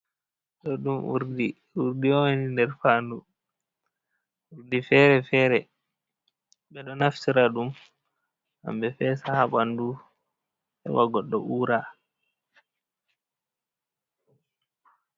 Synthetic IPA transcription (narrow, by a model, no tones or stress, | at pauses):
ɗɔɗumṵɾdi | uɾdiɔnindɛɾfaːndu | uɾdifɛɾɛfɛːɾɛ | ɓɛɗɔnaftiɾaɗum | ha̰mbɛfɛsahaɓandu | ɛ̰waɡɔɗːɔʔuːɾa